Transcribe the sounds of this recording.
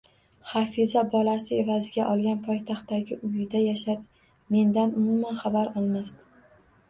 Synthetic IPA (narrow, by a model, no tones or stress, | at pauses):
χafizabɒlasɪe̞vazɪɡʲaʔɒlˠɡʲanpʰɒjt̪ʰaχt̪ːaɡʲɪʔʊjɪd̪ajaʃad̪ | me̞nd̪anʊmʊmanχabaɾɒlˠmast̪